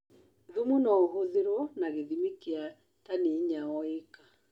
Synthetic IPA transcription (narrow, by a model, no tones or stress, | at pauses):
ðumunɔɦoðeɾwɔnaɣeðimekea | taneɲaɔekḁ